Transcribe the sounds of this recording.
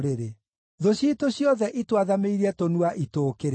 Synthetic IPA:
ɾeɾe | ðoɕiːtoɕjɔðɛʔitwaðameiɾiɛtonuaʔitoːkeɾ

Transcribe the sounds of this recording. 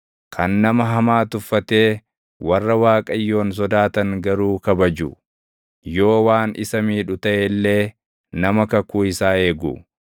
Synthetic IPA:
kʰɐnːɐmɐɦɐmaːt̪ʊfːɐt̪e̞ː | wɐrːɐwaːkʼɐjːo̞ːns̬ɔd̪aːt̪ɐŋɡɐɾuːkɐbɐd͡ʒʊ | jo̞ːwaːnʔɪ̰sɐmiːᶑʊt̪ɐʔelːe̞ː | nɐmɐkɐkuːɪsaːe̞ːɡʊ̰

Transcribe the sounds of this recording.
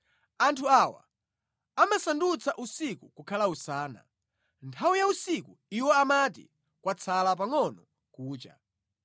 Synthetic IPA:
antʰuawa̰ | amasandut͡sʰaʔusikukukʰalausaːna̰ | ntʰawujausikuiwɔamatḭ | kwat͡sʰalap̬aŋɔnɔ | kuːt͡ʃa̰

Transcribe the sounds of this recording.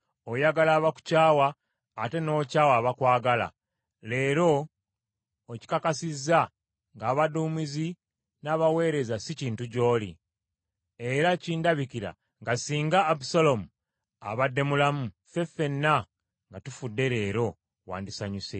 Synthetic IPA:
ojaɡalaːβaku̥caːwaː | te̞no̞ːcaːwaːβakwaːɡala̰ | le̞ːɾo̞ | ci̥kakasiza | ŋɡaːβaduːmizi | naːβawe̞ːɾe̞zasiciːntuɟo̞ːlḭ | e̞ɾaciːndaβikiɾa̰ | ŋɡasiːŋɡaːbusalo̞mu | a̰βadːe̞mulamu | fe̞fe̞nːa | ŋɡatufudːe̞ɾe̞ːɾo̞ | wa̰ːndisaɲuse

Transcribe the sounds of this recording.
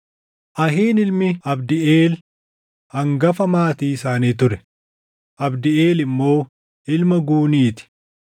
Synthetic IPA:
ʔɐɦiːnɪlmɪɐbd̪ɪeːl | hɐŋɡɐfɐmaːt̪iːɪsaːniːt̪ʊɾɛ | ʔɐbd̪ɪeːlɪmːo̞ː | ʔɪlmɐɡuːniːt̪ɪ̥

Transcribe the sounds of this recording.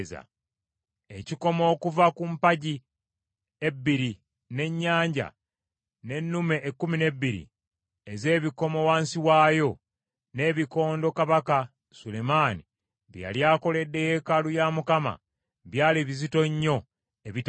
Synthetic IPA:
za̰ | e̞ciko̞mo̞ːkuvakumpaɟi | e̞bːiɾi | ne̞ɲːaːɲɟa̰ | ne̞nːume̞ʔːkːumine̞bːiɾḭ | eze̞ːβiko̞mo̞waːnsiwaːjo̞ | ne̞ːβiko̞ːndo̞kaβaka | sulemaːni | βja̰ljaːko̞le̞dːe̞je̞kalujamukama̰ | βjaːliβizito̞ɲːo̞ | eβit

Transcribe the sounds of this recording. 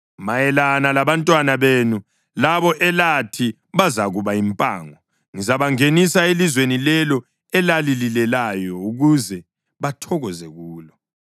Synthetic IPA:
majɛlanalaβantʼwanaβenu | laβɔʔɛlatʰi | βazaɣuβaimpʼa̰ːŋɔ | ŋizaβaŋenisaelizwenilɛlɔ | ɛlalililɛlajɔuɣuzɛ | βatʰɔɣɔzɛɣuːlɔ

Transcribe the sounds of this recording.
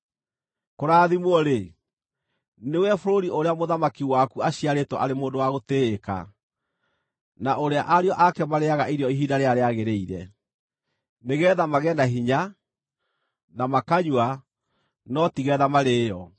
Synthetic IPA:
koɾaːðimwɔɾe | newɛfoɾoɾioɾeamoðamakiwakuaɕiaɾetwɔʔaɾemoːndowaɣoteːka̰ | naʔoɾeaʔaɾeɔʔakɛmaɾeaɣaʔiɾjɔiɦidaɾeaɾeaɣeɾeiɾɛ̰ | neɣɛːðamaɣɛːndaɦiɲa | namakaɲwa | nɔtiɣɛðamaɾeːjɔ

